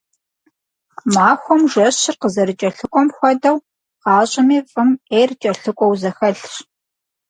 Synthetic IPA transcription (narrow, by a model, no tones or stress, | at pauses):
maːxʷɔmʒɐɕɕɪrqəzɐɾɨt͡ʃʼɐɬɨkʷʼɔmxʷɔdɐw | qɑːɕʼɪmiːfʼɨmeːrt͡ʃʼɐɬɨkʷʼɔwzɐxɐɬɕ